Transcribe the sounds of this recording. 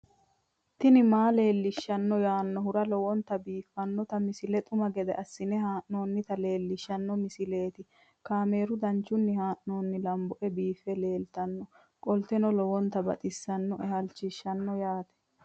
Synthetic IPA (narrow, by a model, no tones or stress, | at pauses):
t̪ɪnɪmaːle̞ːlːɪʃːɐnːɔjaːnːɔhʊɾɐlɔwɔnt̪ɐbiːfːɐnːɔt̪ɐmɪsɪlɛt̪ʼʊmɐɡɛd̪ɛʔɐsːɪnɛhaːʔno̞ːnːɪt̪ɐle̞ːlːɪʃːɐnːɔmɪsɪle̞ːt̪ɪ | kaːme̞ːɾʊd̪ɐnt͡ʃːʊnːɪhaːʔno̞ːnːɪlɐmbɔʔɛbiːfːɛle̞ːlt̪ɐnːɔ | kʼɔlt̪ɛnɔlɔwɔnt̪ɐbɐ̰t̪ʼɪsːɐnːɔʔɛhɐlt͡ʃːɪʃːɐnːɔjaːt̪ɛ̥